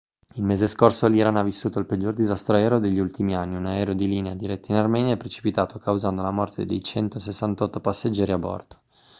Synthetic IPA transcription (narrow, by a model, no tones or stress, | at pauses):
ilmeːzeskorsoliɾanavisːuːt̪oilped͡ʒːord̪izast̪ɾoɛːɾod̪eʎːiult̪imianːiunaɛːɾod̪iliːnead̪iɾɛt̪ːainarmɛːnjaɛpːɾet͡ʃi̥pit̪aːt̪okʰawzand̪olamɔrt̪ʰed̪ejt͡ʃɛnt̪osesːant̪ɔt̪ːopasːed͡ʒːɛːɾiabːɔ̰rt̪o̥